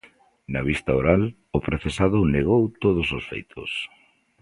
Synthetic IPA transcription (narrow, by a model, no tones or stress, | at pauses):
nɐβist̪aoɾal | ʊpɾoθesaðʊneɣ̞owt̪oð̞ʊsosfḛjt̪ʰo̰s